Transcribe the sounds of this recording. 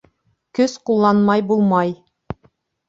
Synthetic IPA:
kɵsqulˠːɑnmɑjbulˠmɑj

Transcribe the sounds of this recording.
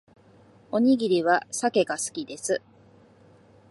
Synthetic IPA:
o̞ɲ̟iɡʲiɾʲiβasake̞ɡasɨ̥kʲid̪e̞sɨ

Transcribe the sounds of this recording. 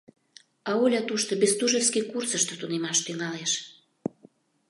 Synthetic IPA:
ɑolʲɑt̪uʃt̪obest̪uʒefskikursəʃt̪ət̪unemɑʃt̪yŋɑleʃ

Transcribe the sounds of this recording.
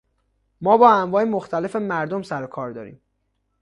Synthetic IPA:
mɒːbɒːæmvɒːjemoxt̪ʰæle̞fe̞mæɾd̪omsæɾokʰɒːɾd̪ɒːɾḭːm

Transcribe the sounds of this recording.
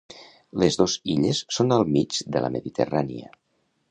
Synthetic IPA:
lezðoziʎəsːonəlˠmid͡ʒd̪ələ̰məðit̪ʰəraniə̰

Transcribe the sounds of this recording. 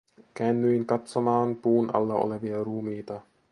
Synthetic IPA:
kæːnːyiŋkɑt̪somɑːnpuːnʔɑ̰lːɑʔo̰leʋiɑɾuːmiːt̪ɑ

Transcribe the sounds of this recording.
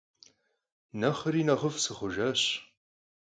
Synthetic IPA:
nɐχəɾiːnɐʁəfsɨχʷʊʒɐɕ

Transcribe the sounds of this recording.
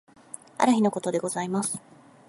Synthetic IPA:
a̰ɾɯ̟çino̞ko̞t̪o̞d̪e̞ɡo̞zaimasɨ̥

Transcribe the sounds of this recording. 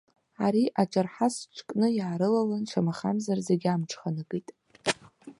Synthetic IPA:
aɾiʔaʈ͡ʂʷʼarħasʈ͡ʂʷʰkʼnɨjaːɾɨlalanʈ͡ʂʰamaχa̰mzarzeɡʲamʈ͡ʂʰχanɨkʼitʼ

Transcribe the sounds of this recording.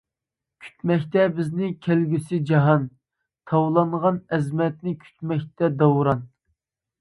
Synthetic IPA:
kʲʰy̥t̪mɛkʲt̪ɛbɪznɪkʲʰælɡʲysɪd͡ʒɑɦɑn | t̪ʰɑwlˠɑŋʁɑnɛzmɛt̪nɪkʲʰy̥t̪mɛk̚ʲt̪ɛd̪ɑwɾɑn

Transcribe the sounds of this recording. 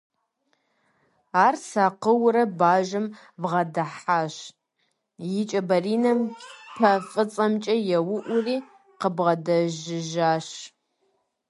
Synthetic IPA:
aːrsaːqəwɾɐbaːʒɨm | bʁɐdɐħaːʃ | jɪt͡ʃʼɐbɐriːnɐmpʰɐfʼɨt͡sʼɐmt͡ʃʼɐjɛwʊʔʷʊriː | qəbʁɐdɐʒɪʒaːʃ

